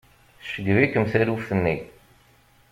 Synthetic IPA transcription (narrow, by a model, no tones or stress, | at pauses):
θʃəɡvikəmθæɾufθənːi